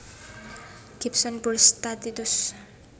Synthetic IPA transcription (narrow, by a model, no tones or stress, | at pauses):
ɡ̥ipsɔnbulst̪at̪it̪us